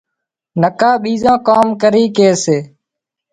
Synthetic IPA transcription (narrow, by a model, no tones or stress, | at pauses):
nəkaːɓiːzãːkaːmkəɾiːkeːseː